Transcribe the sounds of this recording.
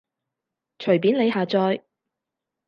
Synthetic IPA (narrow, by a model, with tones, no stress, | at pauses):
t͡ʃʰɵ˨˩ɥpi˨˥nle˨˧jɦaː˨t͡sɔː˧j